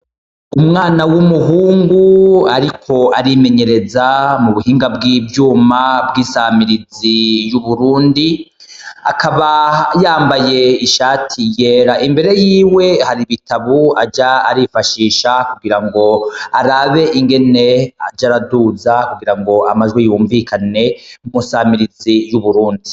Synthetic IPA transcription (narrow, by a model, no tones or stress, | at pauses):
umŋaːnawumuɦuːŋɡuaɾikʰo̞aɾime̞ɲe̞ɾe̞zamuβuhiːŋɡabɡibjuːmabɡiːsamiɾizijuβuɾuːndi | akʰaβajaːmbaje̞iʃaːtʰijeːɾaʔimbe̞ɾe̞jiːwe̞haɾiβitaβuad͡ʒaːɾifaʃiːʃakuɡiɾaŋɡo̞aɾaβe̞ʔiŋɡe̞ne̞ad͡ʒaɾaduːzakuɡiɾaŋɡo̞amaʒɡwejuːɱvikane̞umusaːmiɾizijuβuɾuːndi